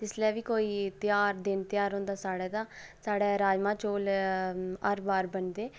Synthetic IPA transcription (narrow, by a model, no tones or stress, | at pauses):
t̪ɪslɛːʋiːkoːiːt̪ɪjaːɾd̪ɪnt̪ɪjaːɾɦõːnd̪aːsaːɽeːd̪aː | saːɽɛːɾaːd͡ʒmãːt͡ʃoːl | ə̰ɾbaːɾbəɳd̪eː